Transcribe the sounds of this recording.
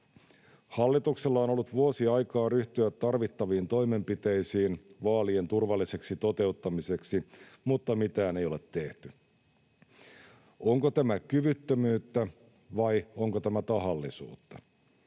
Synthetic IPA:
hɑlːit̪ukselːɑono̞lːut̪ʋuosiɑjkɑːryht̪yæt̪ːɑrʋit̪ːɑʋiːnt̪o̞jme̞mpit̪e̞jsiːnʋɑːlient̪urʋɑlːise̞ksit̪o̞t̪e̞ut̪ːɑmise̞ksimut̪ːɑmit̪æːne̞jo̞let̪ːe̞ht̪y | o̞ŋkot̪æmækyʋyt̪ːømyːt̪ːæ | ʋɑjoŋkot̪æmæt̪ɑɦɑlːisṵːt̪ːɑ̰

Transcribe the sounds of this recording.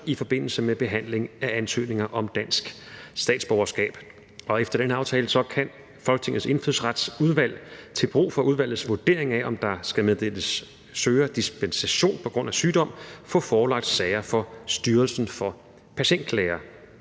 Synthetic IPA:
ifɒ̽b̥e̝n̰l̩səmeb̥e̝ɦæn̰le̝ŋæænsø̰ːne̝ŋɐʔɒ̽md̥æn̰sɡ̥ | sd̥ɛ̰ːd̥sb̥ɒʊɐsɡ̥ɛ̰ːb̥ | ɒ̽efd̥ɐd̥enəɑ̈ʊt͡sʰɛːləsɒ̽kʰæn | fɒ̽lɡə̥t͡sʰe̝ŋð̩ˠse̝nfyð̩̰ˠsʁad̥suð̞ˠʋæl̰t͡sʰe̝lb̥ʁṵːfɒ̽uð̞ˠʋæl̰ð̩ˠsʋod̥e̝̰ɐe̝ŋæʔɒ̽md̥ɑ̈sɡ̥æmeð̞ˠd̥eləsː | øːɐd̥isb̥ensæɕo̝̰ːnpʰɒ̽ɡ̥ʁɔ̽n̰æsyːd̥ɒ̽m̰fɔ̰̽ːfɒːlɑ̈ɡ̥̚d̥sɛɪɐfɒ̽sd̥yːɐlsn̩fɒ̽ | pʰæɕen̰d̥lɛːɐ

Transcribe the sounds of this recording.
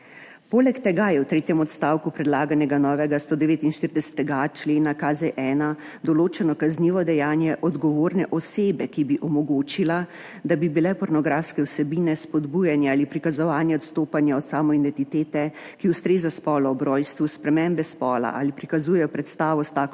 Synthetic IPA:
poːlɛkt̪ɛɡajɛwt̪ɾeːt̪jɛmɔt̪st̪aːwkupɾɛd̪laːɡanɛɡanɔːʋɛɡast̪oːd̪ɛʋeːt̪inʃt̪iɾid̪ɛsɛ̥t̪ɛɡat͡ʃleːnakazɛʔɛːna | d̪ɔloːt͡ʃɛnɔkazniʋɔd̪ɛjaːnjɛʔɔd̪ɡɔʋoːɾnɛʔɔseːbɛkibiʔɔmɔɡoːt͡ʃila | d̪abibilɛpɔɾnɔɡɾaːfskɛwsɛbiːnɛspɔd̪bujanjaaːlipɾikazɔʋaːnjɛɔt̪st̪oːpanjaɔt̪saːmɔid̪ɛnt̪it̪eːt̪ɛ | kiwst̪ɾeːzaspɔːlɔɔbɾɔːjst̪ʋuspɾɛmɛmbɛspɔːla̰ʔa̰ːlipɾikazuːjɛjɔpɾɛt̪st̪aːʋɔst̪aːk

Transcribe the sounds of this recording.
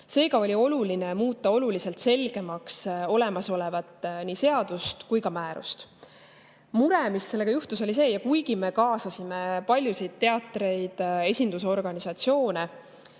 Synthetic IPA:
se̞ːɡɑo̞lʲio̞lulinemuːt̪ːˑɑo̞lulise̞lt̪se̞lɡ̥e̞mɑkso̞le̞mɑso̞levɑt̪ːˑnise̞ɑd̪̥ust̪kujkɑmæːɾṵst̪ | muɾe̞misːe̞lːe̞ɡɑjuht̪uso̞lʲise̞ːjɑkujɡ̥ime̞kɑːsɑsimepɑlʲjusijd̪̚t̪ːe̞ɑt̪ːˑɾe̞jd̪̥e̞sʲind̪us̬eo̞rɡ̥ɑnisɑt̪sio̞ːne

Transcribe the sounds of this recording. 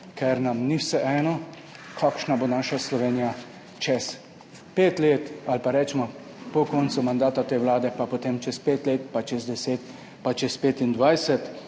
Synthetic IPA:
kʰɛɾnamniwsɛʔɛːnɔ | kʰakʃnaboːnaːʃaslɔʋeːnija | t͡ʃɛs | peːt̪leːt̪alpaɾɛːt͡ʃɛmɔ | pɔkɔːnt̪sumand̪aːt̪at̪eːwlaːd̪ɛpapot̪eːmt͡ʃɛspeːt̪leːt̪̚pat͡ʃɛzd̪ɛseːt̪ | pat͡ʃɛspeːt̪ind̪ʋajsɛt̪

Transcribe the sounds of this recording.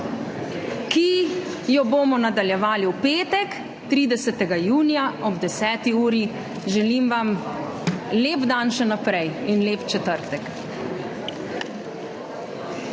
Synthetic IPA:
kijɔboːmɔnad̪aljɛʋaːliupeːt̪ɛk | t̪ɾiːd̪ɛsɛt̪ɛɡajuːnijaɔbd̪ɛsɛːt̪iuːɾi | ʒɛlimʋam | leːpd̪anʃɛnapɾɛjinleːpt͡ʃɛt̪əɾt̪ɛk

